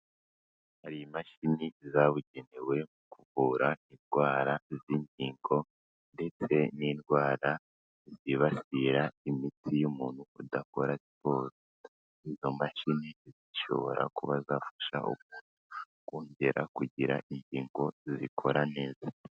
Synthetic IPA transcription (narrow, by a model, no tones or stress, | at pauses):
haɾijimaʃinizaβuɟe̞newe̞mukʰuβuːɾainɡwaːɾaziːɲɟiːŋɡo̞ | nde̞t͡se̞niːnɡwaːɾa | ziβasiɾaimitʰijumuːn̥hṵːdako̞ɾasi̥po̞ːzo | izo̞maʃiniziʃo̞̰βo̞̰ɾa̰kuβazaːfḁʃa̰ʔṵmuːnu | koːɲɟe̞ɾa̰kuɟiɾa̰ʔiɲɟiːŋɡo̞zikʰo̞ɾane̞ːza